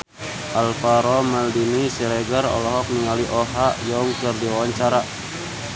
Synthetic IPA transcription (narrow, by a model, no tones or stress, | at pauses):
ʔalfaɾɔmaldinisilɛɡərɔ̰lɔɦɔk̚niŋaliʔɔɦajɔŋkərdiwawaɲt͡ʃaɾa